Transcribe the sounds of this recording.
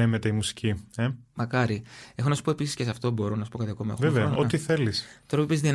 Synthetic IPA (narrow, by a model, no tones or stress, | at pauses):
emet̪e̞imusi̥ciemɐkɐɾie̞xonɐsu̥po̞e̞pisiscʲesɐft̪o̞bo̞ɾonɐsu̥poɐt̪iɐkomɐexeveɐot̪iθe̞list̪oɾoipizðin